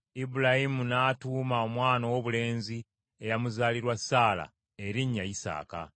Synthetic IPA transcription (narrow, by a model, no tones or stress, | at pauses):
ibulahimunaːtuːmao̞mwaːnowoβule̞ːnzi | ejamuzaːliɾwasːaːla̰ | eɾiɲːajisa̰ːka̰